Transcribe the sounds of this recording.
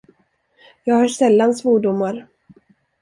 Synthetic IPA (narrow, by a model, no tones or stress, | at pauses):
jɑːɡhaʂɛlːansvoːɖʊmːaɾ